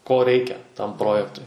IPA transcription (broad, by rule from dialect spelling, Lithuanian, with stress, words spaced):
koː ˈrʲɛɪkʲɛ tɐm ˈproːjɛktʊɪ